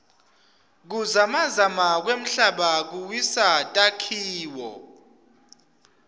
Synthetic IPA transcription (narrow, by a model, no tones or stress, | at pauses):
k̬uzamazamak̬wem̩ɬaɓak̬uwisatʼakʰiːwɔ